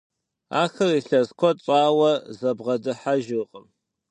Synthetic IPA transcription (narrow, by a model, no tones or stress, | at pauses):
a̰ːxɐriɬɐzkʷɔt͡sʼaːwɐzɐbʁɐdɨħaʒɨqʼəm